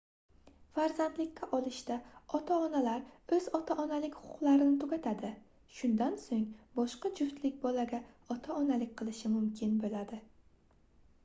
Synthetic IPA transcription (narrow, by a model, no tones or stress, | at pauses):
faɾzand̪lɪkʲːaʔɒlˠɪʃt̪aɒt̪ʰaɒnalaɾɵzɒt̪ʰaʔɒnalɪkʲhʊ̥ʊ̥qlˠaɾɪnɪt̪ʰʊɡʲat̪ʰad̪ɪ | ʃʊnd̪ansoŋbɒʃqɑd͡ʒʊft̪lɪkʲbɒlaɡʲa | ɒt̪ʰaɒnalɪk̚ʲqʰɨlˠɪʃɪmʊmkʲʰɪnbolad̪ɪ